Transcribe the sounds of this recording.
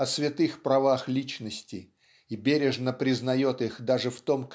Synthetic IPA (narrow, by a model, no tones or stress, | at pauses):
ɐsvʲɪt̪ɨxpɾɐvaxlʲit͡ɕnəsʲtʲɪ | ibʲeɾʲɪʐnəpɾʲɪznɐjo̞t̪ɨxd̪aʐɨft̪o̞mk